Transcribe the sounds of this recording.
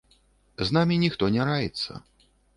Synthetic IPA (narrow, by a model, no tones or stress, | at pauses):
znamʲinʲixt̪ɔnʲɛɾajɛt̪sːɐ̰